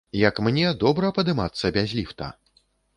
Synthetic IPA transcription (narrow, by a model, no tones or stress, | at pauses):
jɐkmnʲɛd̪ɔbɾɐpɐd̪ɨmat̪sːɐbʲazʲlʲift̪ɐ̰